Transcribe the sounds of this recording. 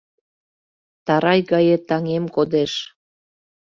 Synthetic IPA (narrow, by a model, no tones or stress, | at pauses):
t̪ɑɾɑjɣɑjet̪ɑŋemkod̪eʃ